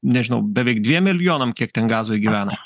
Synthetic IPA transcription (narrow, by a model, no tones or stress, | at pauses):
nʲɛʒʲɪnʊbʲɛʋʲɛɪk̚d̪ʲʋʲiɛmʲːɪlʲjoːnɐmkʲiɛkt̪ʲɛnɡɑːzoːjɡʲiʋʲæːnɐ